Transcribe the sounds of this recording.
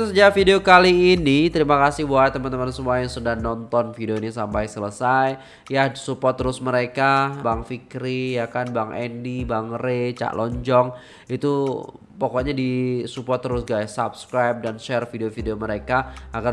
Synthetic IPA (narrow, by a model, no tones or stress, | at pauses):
səd͡ʒafideokaliːnit̪əɾimakasɪhbuat̪əmant̪əmansəmuajaŋsudahnɔnt̪ɔnfideoinisampajsələsaj | jasupɔt̪ːɾʊsməɾekabaŋfikɾijakanbaŋʔɛndibaŋɾet͡ʃa̰ʔlʔɔɲd͡ʒɔŋ | it̪u | pɔkɔɲadisupɔrt̪ːɾʊsɡajsap̚skɾajp̚danʃɛrfideofideoməɾekaaɡar